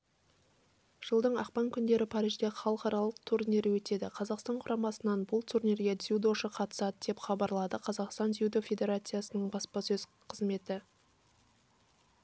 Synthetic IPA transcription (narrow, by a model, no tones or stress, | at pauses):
ʒ̥əlˠd̪əɴɑ̰qpɑŋkʲʰʏnd̪e̞ɾɪpʰɑɾijʒd̪eχɑlˠəqɑɾɑlˠəq̚t̪ʰuɾnʲeɾɪwɵt̪e̞d̪ɪqʰɑzɑqst̪ɑɴqʰʊɾɑmɑsənɑnbʊlˠt̪ʰuɾnʲeɾɡʲe̞zʲud̪o̞ʃəqʰɑt̪ə̥sɑd̪əd̪e̞pχɑbɑɾlˠɑd̪əqʰɑzɑqst̪ɑnd̪zʲiud̪ofʲe̞d̪ʲe̞ɾat̪sɨjasənəɴbɑspɑsɵz̥ | qʰəzme̞t̪ɪ